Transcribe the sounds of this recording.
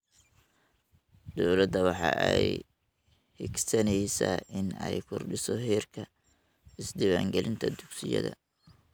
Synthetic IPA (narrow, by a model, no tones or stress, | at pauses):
d̪̥ɔwlɐd̪ɐwɑħɑ̰ːʔɛj | hɪɡsɐnɛjsaːʔɪnɛjkʰʊrɖɪsɔɦɛːrkʰɐ | ɪsd̪ɪwaːŋɡɛlɪnt̪ʰɐd̪ʊksɪjɐ̰ðɐ